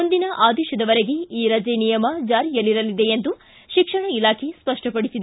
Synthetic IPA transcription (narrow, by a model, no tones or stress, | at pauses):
ond̪inɐʔaːd̪ɛːʃɐd̪ɐʋɐɾeɡe̞iːɾɐd͡ʒeːnijɐmɐd͡ʒaːɾijɐlːiɾɐlid̪e̞end̪u | ʃikʂɐɳɐilaːkʰe̞spɐʂʈɐpɐɽisid̪e